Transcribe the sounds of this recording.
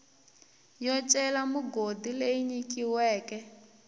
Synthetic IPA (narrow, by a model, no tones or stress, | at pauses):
jɔt͡ʃʼɛlamuɡodileiɲikʼiwɛːkʼɛ